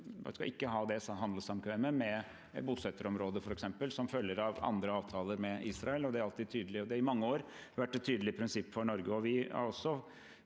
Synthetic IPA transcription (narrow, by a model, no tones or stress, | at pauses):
skɑ̰ʔɪkːəɦɑːd̪ɛsɦɑnd̪ləsɑmkʰʋɛːməmɛ | buːsɛt̪ːəɾɔmɾoːd̪əfɔɾɛksɛmpəlsɔmfœlːəɾɑʋɑ̰nd̪ɾəɑːʋt̪ʰɑːləɾmɛʔiːsɾɑɛlɔd̪ɛhɑɾɑlt̪iːd̪t̪ʰyːd̪əlɪɔd̪ɛɾɪmɑŋːəoːɾ | ʋæʈːɛt̪ʰːyːd̪əlɪpʰɾɪnsɪpːfɔɳɔɾɡəɔʋɪɑ̰ɾɔsːɔ